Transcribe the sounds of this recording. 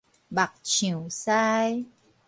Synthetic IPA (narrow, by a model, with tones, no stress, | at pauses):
ba˨k̚t͡ɕʰĩ˨˩˨wsaː˦˧j